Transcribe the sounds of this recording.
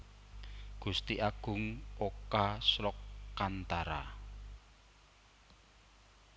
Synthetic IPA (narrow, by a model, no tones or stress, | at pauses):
ɡ̥ust̪iʔaɡ̥ʊ̤ŋokasɾɔkːant̪aɾa